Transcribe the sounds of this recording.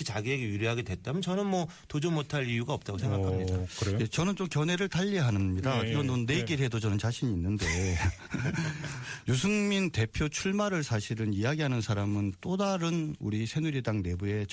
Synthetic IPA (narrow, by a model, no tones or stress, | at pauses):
t͡ɕaɡieɡeuɾjiɦaɡe̞dwe̞t͈amjʌnt͡ɕʌnɯnmwʌ | tod͡ʑumotʰaɾijuɡaʌp̚t͈aɡosʰeŋɡakkʰamɲiddakɯɾejet͡ɕʌnɯnt͡ɕomkjʌnɦe̞ɾɯɭtaʎːiɦanɯɲidakiɾʌndonːe̞ɡiɾɦe̞dot͡ɕʌnɯnt͡ɕaɕʰiɲiːnːɯnde̞ | jusʰɯŋminte̞pʰjot͡ɕʰuɭmaɾɯɭsʰaɕʰiɾɯnijaɡiɦanɯnsʰaɾamɯnt͈odaɾɯnuɾisʰe̞nuɾidaŋne̞bue̞t͡ɕ